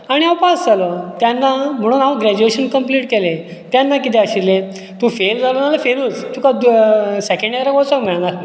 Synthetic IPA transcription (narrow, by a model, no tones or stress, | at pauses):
aɽ̃iawpasd͡zalɔt̪janːam̤əɽ̃uːnawɡɾɛd͡ʑueɕənkəmpliːʈkelẽ | t̪janːakit̪eəɕiɾle | t̪ũfeld͡zalonalafeɾuːt͡st̪ukad̪sɛkə̃ɳɖjaɾakɔt͡sakmiɭnaɾ